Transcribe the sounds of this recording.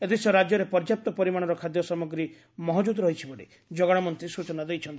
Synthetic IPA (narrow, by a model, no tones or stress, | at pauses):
et̪isɔɾad͡ʒjɔɾepɔɾd͡ʒjap̚t̪ɔpɔɾimaɽ̃ɔɾɔkʰad̪jɔsɔmɔɡɾi | mɔɦɔd͡ʒud̪ɾɔɦit͡ʃʰibɔɽḭ | d͡ʒɔɡɔɽ̃ɔmɔnt̪ɾisut͡ʃɔnad̪ejt͡ʃʰɔnt̪i